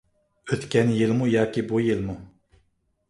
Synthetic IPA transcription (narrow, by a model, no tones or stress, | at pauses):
øt̪kʲɛnjilmujɑːkʲibujilmu